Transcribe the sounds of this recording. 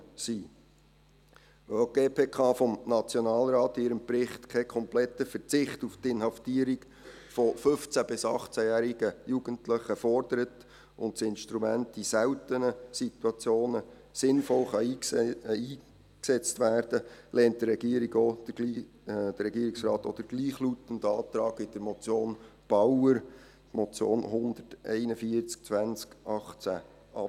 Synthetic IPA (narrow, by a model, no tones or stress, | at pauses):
siː | øɡ̥eːpʰeːkʰɑːfɔmnɑt͡sjɔnɑːlɾɑːt̪ɪɾəmbrɪχt̪kʰɛkʰɔmplɛtəfət͡sɪχtuft̪ɪnhɑftiːəɾiɡ | fɔfɵft͡sæb̥ɪsɑχt͡sæjæːɾiɡ̥əjuɡ̥əntləχəfɔrd̥əɾət | ʔʊntsɪnʃtɾumæntisæwtənəsit̪wɑt͡sjoːnə | sɪnfɔlχɑiːiː | ksɛt͡stʋæːrd̥əlʔɛːnt̚d̥ərɛɡ̥iːəɾiɡo̥ːi | d̥əɾːɛɡiːɾɪksɾɑːt̪ɔ̰d̥̪əɡ̥liːχlutən̩dɑːt̪ɾɑːɡɪd̥əɾmɔt͡sjoːnb̥ɑwəɾ | tmɔt͡sjoːnhʊnd̪ərtʔɛ̰ɪnəfiəɾt͡sk̚t͡sʋænt͡skʔɑχt͡sæ̰ | ʔɑ